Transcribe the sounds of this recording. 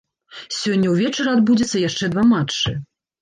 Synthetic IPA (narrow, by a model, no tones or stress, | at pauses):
sʲɔnʲːɐwvʲɛt͡ʂɐɾɐad̪bud͡zʲɛt̪sːɐjaʂt͡ʂɛd̪vamat͡ʂːɨ